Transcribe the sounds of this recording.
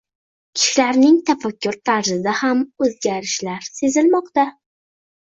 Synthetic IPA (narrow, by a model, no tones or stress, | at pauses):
kʲʰɪ̥ʃɪlaɾnɪŋt̪ʰafakʲːʊɾt̪ʰaɾzɪd̪ahamɵzɡʲaɾɪʃlaɾse̞zɪlmɒqt̪a